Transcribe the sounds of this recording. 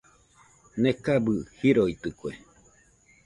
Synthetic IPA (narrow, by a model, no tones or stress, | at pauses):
nekabɨhiɾoit̪ɨkue